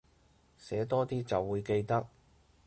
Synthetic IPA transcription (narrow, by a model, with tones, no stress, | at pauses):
sɛː˨˥t̪ɔː˥t̪iː˥t͡sɐ˨wːuː˨˧jke˧jt̪ɐ˥k̚